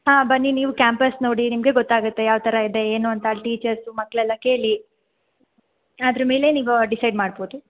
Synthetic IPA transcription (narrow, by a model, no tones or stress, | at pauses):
ɦãːbɐnːiniːʋukʲjaːmpɐsnoːɽinimɡe̞ɡot̪ːaːɡut̪ːe̞jaːʋt̪ʰɐɾɐid̪e̞eːnuɐnt̪ɐʈiːt͡ʃɐɾsumɐkːɭɛlːɐke̞ːɭi | aːd̪ɐɾɐme̞ːle̞niːʋuɖisɐjɖmaːɖboːd̪u